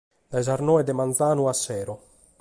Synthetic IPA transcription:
d̪ajzaɾnɔːɛd̪ɛmanzaːnuasːɛːɾo

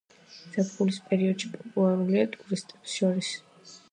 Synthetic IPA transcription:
z̥ɛpχulispʼɛɾiɔd̪̥ʃipʼɔpʼulˠaɾuliat̪ʼuɾist̪ʼɛpsʃɔɾis

